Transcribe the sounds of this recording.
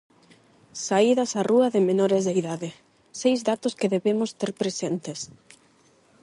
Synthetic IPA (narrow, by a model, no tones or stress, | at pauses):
saiðɐsaruɐðɪmenoɾezðeiðaðɪ | sejzðat̪ʊskeðeβemʊst̪eɾpɾesent̪es